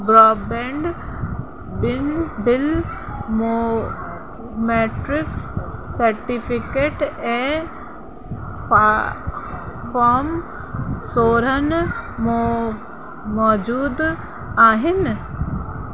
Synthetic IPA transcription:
bɾɔːbɛ̃ːɳɖ | bɪnbɪl | mo | meːʈɾɪksɐɾʈipʰɪkeːʈɛ | paːm | soːɾənmo | mɔːd͡ʒuːd̪ | aːɦɪn

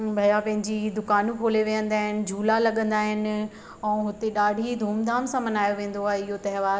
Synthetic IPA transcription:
bʱɐjapɐ̃ɦɪ̃ɲd͡ʑid̪ʊkaːnũkʰoːleʋijə̃nd̪aːɦɪnɪ̆d͡ʑʱuːlalɐɠə̃nd̪aːɦɪnɪ̆ | ɛ̃ːɦʊt̪eɗaːɖʱid̪ʱuːmd̪ʱaːmsãmɐnaːjoʋẽːn̆d̪oaːɦeɪɦot̪ɐɦɪʋaːɾ

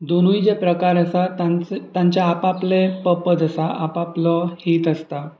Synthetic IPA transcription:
d̪onuid͡ʑepɾəkaɾəsatt̪ãɲt͡ɕjaːpaplepəpəd͡zəsaʔapaplɔhiːt̪əst̪a

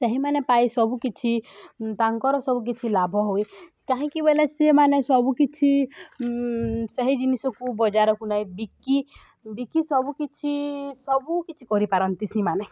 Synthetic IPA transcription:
sɛɦimanepajsɔbukit͡ʃʰit̪aŋkɔɾɔsɔbuk̬it͡ʃʰilabʱɔɦoj | kaɦĩkibelɛsemanesɔbukit͡ʃʰi | sɛɦid͡ʒinisɔkubɔd͡ʒaɾɔkunajbiki | bikisɔbukit͡ʃʰisɔbukit͡ʃʰikɔɾipaɾɔnt̪isĩmane

